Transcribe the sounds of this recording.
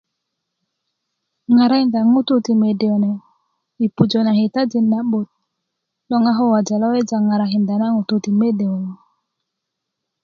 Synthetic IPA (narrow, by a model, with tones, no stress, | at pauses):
ŋa˨ɾa˦i˨nda˨ŋu˦t̪u˦ti˨me˨de˨o˨ne˨ | i˨pu˨d͡ʒo˨na˨hi˨t̪a˦d͡ʒi˨nːa˦ɓo˨t̪̚ | lo˦ŋa˦ɦo˦wa˨d͡ʒa˨lo˦we˦d͡ʒa˨ŋa˨ɾa˨ɦi˨nda˨na˦ŋu˨t̪u˨ti˨me˦de˨o˨ne˨